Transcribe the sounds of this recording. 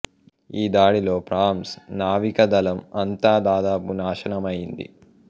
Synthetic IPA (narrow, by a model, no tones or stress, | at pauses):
iːd̪aːɽilo̞ːpɾaːmsnaːʋikɐd̪ɐlɐmɐnt̪aːd̪aːd̪aːpunaːʃɐnɐmɐjind̪ḭ